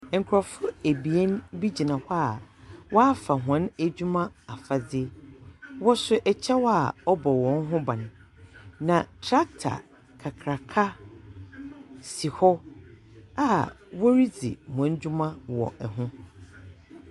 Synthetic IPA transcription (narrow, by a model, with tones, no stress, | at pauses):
ŋ̩˨kʰʊ˨ɾɔ˨fʊ˦æ˨bi˨ɛ˦n˦bi˦d͡ʑi˨nã˨hɔ˦a˨wa˦fa˨ɦã˨˦næ˨d͡ʑᶣu˦mã˦a˨fa˨d͡zɪ˦wɔ˦sʊ˦ʔɛ˨t͡ɕʰɛ˦wɔ˦a˨ɔ˦bɔ˨wɔ̃˦n˦ɦʊ̃˦bã˨ñ˨ | nã˨tʰɾa˦k̚tʰa̰˨ | kʰa˨kʰɾa˨kʰa˦ | si˨hɔ˦ | a˨ | wɔ˦ɾi˦d͡zḭ˨m˨ã˨˦n˦d͡ʑᶣu˦mã˦wɔ̰˨ʔɛ˨ɦʊ̃˦